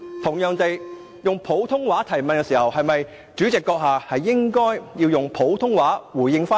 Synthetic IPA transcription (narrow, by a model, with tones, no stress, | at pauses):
t̪ʰʊ˨˩ŋjœː˨˧ŋt̪e˨j | jʊ˨ŋpʰo˨˥wt̪ʰʊ˥ŋwaː˨˥t̪ʰɐ˨˩jmɐ˨nkɛ˧˥siː˨˩hɐ˨whɐ˨jmɐ˨j | t͡ʃyː˨˥t͡sɪ˨kːɔː˧k̚ɦaː˨˧hɐ˨jːɪ˥ŋkɔː˥jjiː˧wjʊ˨ŋpʰo˨˥wt̪ʰʊ˥ŋwaː˨˥wuː˨˩jːɪ˧ŋfaː˥